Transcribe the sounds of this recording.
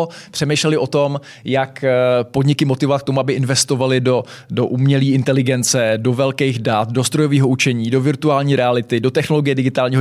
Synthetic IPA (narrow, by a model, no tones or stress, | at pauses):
pr̥ɛmɛjʃlɛlɪʔo̞t̪o̞m | jakpodɲɪkɪmot̪ɪvovat̪̚kt̪omuabɪʔɪnvɛst̪o̞valɪdo̞ | doʔumɲɛliːɪnt̪ɛlɪɡɛnt͡sɛdo̞vɛlkɛjxdat̪dost̪ɾo̞joviːɦo̞ut͡ʃɛɲiːdo̞vɪɾt̪uaːlɲiːɾɛalɪt̪ɪdo̞t̪ɛxno̞lo̞ɡɪjɛdɪɡɪt̪aːlɲiːɦo